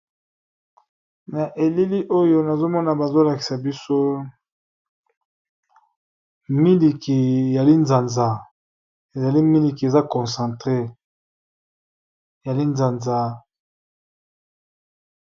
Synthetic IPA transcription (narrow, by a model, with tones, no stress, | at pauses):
na˨ʔe˨li˦li˦ʔo˦jo˦na˨zo˦mɔ˦na˨ba˨zo˦la˨ki̥˨sa˨bi˦so˦ | mi˦li˨ki˨e˨ja˨li˦nza˨nza˨ | e˨za˨li˦mi˦li˨ki˨e˨za˦kɔ̃˨sã˨ntʁe˦˨ | ja˨li˦nza˨nza˦